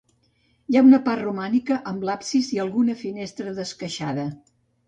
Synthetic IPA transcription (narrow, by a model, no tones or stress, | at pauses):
jaunəparrumanikəʔəmlapsiziəlˠɣunəfinest̪ɾəðəskəʃaðə